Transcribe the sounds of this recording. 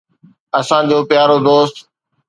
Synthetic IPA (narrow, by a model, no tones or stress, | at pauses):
ɐsãd͡ʑoːpjaːɾoːd̪oːst̪